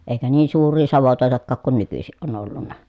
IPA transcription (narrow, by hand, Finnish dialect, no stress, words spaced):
eˑikæ niːn suːrˑiː sɑʋotoˑetɑkːɑːk kun nykysiʔ ʔon olːunːɑ